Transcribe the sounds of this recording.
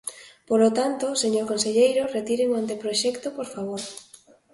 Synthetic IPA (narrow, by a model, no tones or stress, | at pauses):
polot̪ant̪oseɲoɾkõnseʎejɾoret̪iɾeŋoant̪̬epɾoʃɛkt̪opoɾfaβ̞oɾ